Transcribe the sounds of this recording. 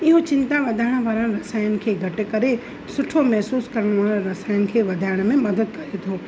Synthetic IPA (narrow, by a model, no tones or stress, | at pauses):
ɪɦot͡ʃɪ̃nt̪aʋɐd̪ʱaːɪɽ̃ʋaːɾə̃ɾɐsaːjənɪ̆kʰeːɡʱɐʈɪkɐɾe | sʊʈʰomɛɦsuːskɐɾəɽ̃ʋaːɾ̃ɾɐsaːjənɪ̆kʰeːʋɐd̪ʱaːɪɽ̃mẽmɐd̪əd̪̚kɐɾet̪ʰoː